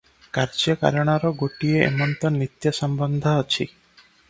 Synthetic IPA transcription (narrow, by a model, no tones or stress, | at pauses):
kaɾd͡ʒjɔka̰ɾɔɽ̃ɔɾɔɡoʈieḛmɔnt̪ɔnit̪jɔsɔmbɔnd̪ʱɔːt͡ʃʰḭ